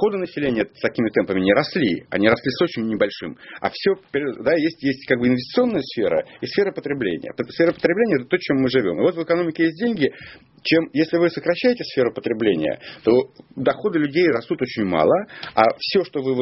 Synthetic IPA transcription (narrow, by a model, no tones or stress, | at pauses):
xo̞d̪ɨnəsʲɪlʲenʲɪjəst̪ɐkʲimʲɪt̪ɛmpəmʲɪnʲɪɾɐslʲiɐ̰nʲiɾɐslʲiso̞t͡ɕɪnʲːɪbɐlʲʂɨmɐ̰fsʲopʲɾʲd̪ajesʲtʲjesʲtʲkaɡ̚bɨɪnvʲɪsʲt̪ʲsɨo̞nːəjəsfʲeɾə̰isfʲe̞ɾəpət̪ɾʲɪblʲḛnʲɪ̰jə̰psfʲe̞ɾəpət̪ɾʲɪblenʲɪəɛt̪ət̪ot͡ɕemːɨʐɨvʲo̞mɨvo̞t̪vɨkɐnomʲɪkʲɪjesʲt̚ʲdʲenʲɡʲɪ | t͡ɕe̞mjesʲlʲɪvɨsəkɾɐɕːæjɪtʲɪsfʲe̞ɾʊpə̥t̪ɾʲɪblʲenʲɪ̰jə̰t̪o̞d̪ɐxo̞d̪ɨlʲʉdʲejrɐst̪ut̪o̞t͡ɕɪnʲmɑ̰lˠəa̰fsʲoʂt̪o̞vɨ